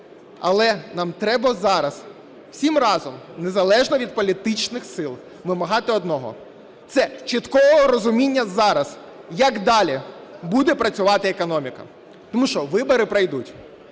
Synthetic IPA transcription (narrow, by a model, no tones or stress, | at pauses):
ɐ̰lˠɛnɑmt̪ɾɛbɐzɑɾɐs | w̥sʲimrɑzɔmnezɐlˠɛʒnɔʋʲid̪̚pɔlʲit̪ɪt͡ʃnɪxsɪlˠ | ʋɪmɐɦɑt̪ɪɔd̪nɔɦɔ̰ | t̪sɛt͡ʃit̪kɔʋɔɦɔɾɔzʊmʲinʲːɐzɑɾɐs | jɐkd̪ɑlʲibud̪ɛpɾɐt͡sʲʊʋɑt̪ɪekɔnɔmʲikɐ̰ | t̪ɔmuʃt͡ʃɔʋɪbɔɾɪpɾɐjd̪utʲ